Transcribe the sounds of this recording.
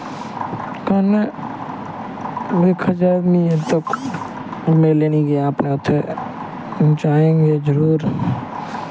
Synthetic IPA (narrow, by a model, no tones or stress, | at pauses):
kane | beːkʰɐd͡ʒad̪miet̪ok | meleniɡeaːpneʊt̪ʰːe | t͡ʃaːẽːŋɡed͡ʒəɾuːɾ